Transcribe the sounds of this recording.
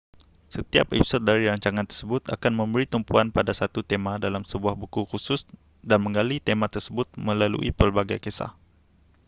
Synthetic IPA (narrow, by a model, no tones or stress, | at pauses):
sət̪iap̚ɛpi̥sɔt̪̚daɾiɾaɲt͡ʃaŋant̪ərsəbʊt̪a̰kanmə̃mbəɾit̪umpuanpadasat̪ut̪emãdalamsəbuahbukuxusʊs | danmə̃ŋɡalit̪emãt̪ərsəbʊt̪̚mə̃lalṵʔḭpərbaɡajkesa̰h